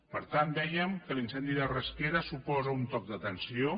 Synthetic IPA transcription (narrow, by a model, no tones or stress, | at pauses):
pəɾt̪and̪ɛjəmkəlinsɛnd̪iðərəskeɾəsupɔzəunt̪ɔk̚d̪ət̪ənsio